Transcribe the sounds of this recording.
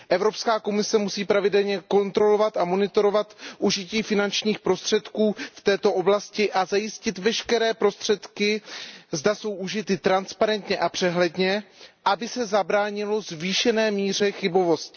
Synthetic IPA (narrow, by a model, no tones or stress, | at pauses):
ʔɛvɾo̞pskaːko̞mɪsɛmusiːpɾavɪdɛlɲɛko̞nt̪ɾo̞lo̞vat̪amo̞nɪt̪o̞ɾo̞vat̪ʔuʒɪciːfɪnant͡ʃɲiːxpɾo̞st̪r̥ɛt̪kuːft̪ɛːt̪o̞ʔo̞blascɪʔazajɪscɪt̪vɛʃkɛɾɛːpɾo̞st̪r̥ɛt̪kɪzdaso̞wʔuʒɪt̪ɪt̪ɾanspaɾɛnt̪ɲɛʔapr̝̥ɛɦlɛdɲɛʔabɪsɛzabɾaːɲɪlo̞zviːʃɛnɛːmiːr̝ɛxɪbo̞vo̞st̪